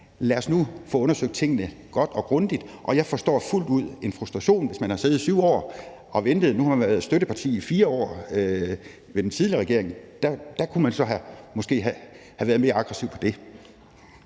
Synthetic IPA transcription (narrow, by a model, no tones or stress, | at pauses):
læɐsnufɔ̽ɔ̽nɐsøɡ̥̚d̥̚t͡sʰe̝ŋ̰ənə | ɡ̥ɒ̽d̥ɒ̽ɡ̥ʁɔ̽nd̥id̥ʔɒ̽jɑ̈ɪfɒ̽sd̥ɒ̰ːful̰d̥uð̞̰ˠe̝nfʁusd̥ʁɑ̈ɕo̝̰ːnʋe̝smænhɑ̈se̝ːð̞̩ˠsyʊ̰ɒ̰ː | ʔɒ̽ʋend̥ð̩ˠnuhɑ̈mænʋæɐð̩ˠsd̥øɾ̥əpʰɑ̈t͡sʰḭːifiːɐɒ̰ː | ʋe̝d̥ent͡sʰið̞ˠliɐʁɛɡ̥e̝ɐe̝ŋd̥æd̥ækʰumænsɒ̽ɦæmɒ̽sɡ̥e̝̰ːɦæ | hæʋæːɐð̞̩me̝ːɐɑ̈ɡ̥ʁɛsiʊpʰɒ̽d̥e̝